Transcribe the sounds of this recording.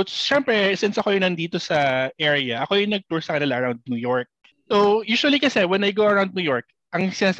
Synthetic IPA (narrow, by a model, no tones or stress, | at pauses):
ʃɛmpɹɛsɪnsɐkojʊŋnɐnd̪iːt̪osɐʔɛɹɪjɐʔɐko̞jʊŋnɐɡ̚t̪uɹsɐkɐnɪlaʔɐɹawnd̪̚nujoɹk̚ | sowjuːsʊɐlikɐsɛwɛnɐjɡowɐɹawnd̪̚nuːjoɹk̚ | ʔɐŋsɪnaːs